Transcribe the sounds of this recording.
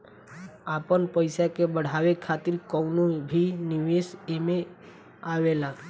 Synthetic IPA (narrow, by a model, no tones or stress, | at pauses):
apənpəɪsakebəɽ̤aʋekʰat̪ɪɾkəwnobʱinɪʋesemẽ | aʋela